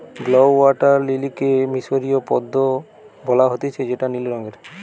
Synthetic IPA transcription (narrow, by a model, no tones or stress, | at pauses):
blowwaʈaɾlilikemisoɾijopɔd̪ːo | bɔlaɦot̪et͡ʃʰed͡ʑeʈanilɾɔŋeɾ